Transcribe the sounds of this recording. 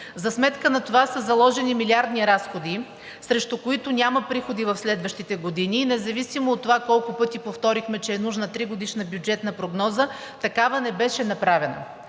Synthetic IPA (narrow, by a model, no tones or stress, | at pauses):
zɐsmɛt̪kənɐt̪ovasəzɐlˠɔʒɛnimilʲiaɾd̪niɾasxod̪i | sɾɛʃt̪ʊkoit̪ʊnʲamɐpɾixod̪ivɐfslɛd̪vəʃt̪it̪ɛɡod̪ininɛzɐvisimoːt̪ːovakɔlˠkʊpɤt̪ipoft̪ɔɾixmɛt͡ʃɛːnuʒnət̪ɾiɡod̪iʃnəbʲjud͡ʒɛt̪nɐpɾoɡnɔzə | t̪ɐkavənɛbɛʃɛnɐpɾavɛnə̰